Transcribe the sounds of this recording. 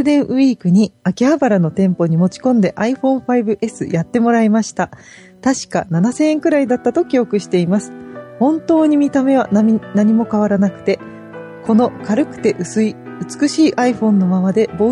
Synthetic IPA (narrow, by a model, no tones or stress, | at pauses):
d̪ẽ̞ɰ̃ʔɯ̟iːkɯ̟ɲ̟iakʲiabaɾano̞t̪ẽ̞mpo̞ɲ̟imo̞t͡ɕi̥kõ̞nd̪e̞ʔaiɸõ̞ɰ̃ɸaibɯ̟ʔe̞sɨjat̪ːe̞mo̞ɾaimaɕi̥t̪a | t̪aɕi̥ka̰nanasẽ̞ẽŋkɯ̟ɾaid̪at̪ːat̪o̞kʲio̞kɯ̟ɕi̥t̪e̞imasɨ̥hõ̞nt̪o̞ːɲ̟imʲit̪ame̞β̞anaɲ̟imo̞kaβ̞aɾanakɯ̟̥t̪e̞ | ko̞no̞kaɾɯ̟kɯ̟̥t̪e̞ʔɯsɨiɯ̟t͡sɨ̥kɯ̟ɕiːʔaiɸõ̞nːo̞maβad̪e̞bo̞